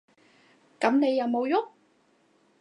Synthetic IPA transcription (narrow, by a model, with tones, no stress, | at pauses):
kɐ˨˥mne˨˧jːɐ˨wmo˨˧wjʊ˥k̚